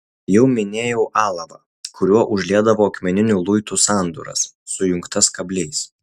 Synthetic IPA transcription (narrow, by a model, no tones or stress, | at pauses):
jɛʊmʲɪnʲeːjɛʊʔɑːlˠɐʋɐ̰ | kʰʊɾʲuɔʔʊʒʲlʲiɛd̪ɐʋoːɐkmʲɛnʲɪnʲulˠʊɪt̪uːsɑːˑnd̪o̰ːɾɐ̰sːʊjʊŋkt̪ɐskɐbʲlʲɛɪs